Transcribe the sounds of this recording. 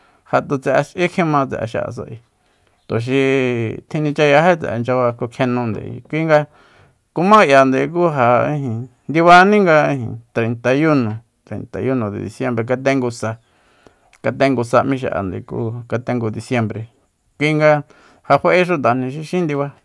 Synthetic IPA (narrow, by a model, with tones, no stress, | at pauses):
ha˧t̪u˧t͡se˧ʔa˧t͡ʃʔi˦kʰẽ˦mã˧t͡sḛ˧ʔa̰˧ʃa̰˧˨a̰˧˨s̬a̰˧ʔi˧ | t̪u˨ʃ̬i˧t̪ʰĩ˧nĩ˧t͡ʃa˧ja˧ɦe˦t͡sɛ̰˨ʔa˧nd͡ʒa˧βa˧ko˧kʰẽ˧nũ˧nd̪ḛ˧˨ḭ˧kʷi˦ŋɡa˧ | ku˧mã˦ʔja˨nd̪e˨˧k̬u˦ɦa˧ĩ˧ɦĩ˧nd̪i˧βa˧nĩ˦ŋɡa˧ĩ˧ɦḭ̃˧t̪ɾe˨nt̪a˨ju˦nõ˨ | t̪ɾḛ˨nt̪a˨ju˦nõ˨ðḛ˨ðḭ˧sje˧mbɾe˧k̬a˧t̪̬ẽ˧ŋɡu˧sa˧ | ka˧t̪̬ẽ˧ŋɡu˧sa˧mĩ˧˦ʃ̬a̰˧ʔa̰˨nd̪ḛ˧˨kṵ˦ka˧t̪ẽ˧ŋɡu˧d̪i˧sje˧mbɾe˨ | kʷi˧ŋɡa˧ | ha˧ɸe˧ʔe˦ʃ̬u˧t̪a˨n̥ĩ˧ʃi˧ʃĩ˦nd̪i˧βa˧